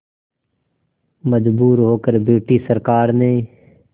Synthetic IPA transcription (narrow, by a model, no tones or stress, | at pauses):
məd͡ʒbuːɾɦoːkəɾbeːʈiːsəɾkaːɾnẽː